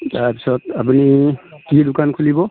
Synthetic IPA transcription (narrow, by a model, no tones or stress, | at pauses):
taɹpi̥sɔtapunikidʊkankʰulibɔ